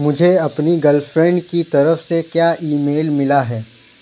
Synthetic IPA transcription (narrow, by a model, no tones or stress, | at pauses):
mʊd͡ʒʱeɐpniɡɐlfɾɛ̃ɳɖkit̪ɐɾəfsekjaːʔiːmeːlmɪlaɦɛː